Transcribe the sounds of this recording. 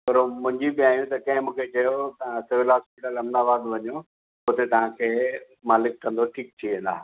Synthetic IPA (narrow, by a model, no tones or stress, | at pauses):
kɐɾomʊ̃ɦɪ̃ɲd͡ʑibiaːijũt̪ɐkɐ̃ɦɪ̃mũːkʰet͡ɕɐjot̪ɐãsɪʋɪlɦɔːspɪʈəlɐmd̪aːbaːd̪ʋɐɲo | ot̪et̪ɐʋ̤ãkʰeː | maːlɪkːɐ̃nd̪oʈʰiːk̚t̪ʰiʋẽːn̆d̪a̰ː